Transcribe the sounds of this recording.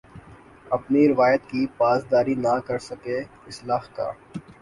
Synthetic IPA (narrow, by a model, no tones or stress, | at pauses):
ɐpniɾɪʋaːjət̪kipaːzd̪aːɾinakɐɾsɐke | ɪslaːhka̰ː